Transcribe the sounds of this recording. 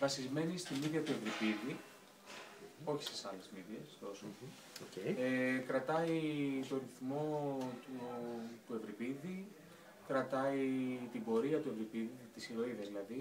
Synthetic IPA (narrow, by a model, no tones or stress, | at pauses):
vɐsizme̞nist̪imiðʝɐt̪ue̞vɾipiði | o̞çi̥st̪i̥sɐlezmiðʝest̪o̞so | ocejekɾɐt̪ɐit̪o̞ɾiθmo̞t̪ut̪ue̞vɾipiði | kɾɐt̪ɐit̪ibo̞ɾiɐt̪ue̞vɾipiðit̪isilo̞iðɐzðilɐði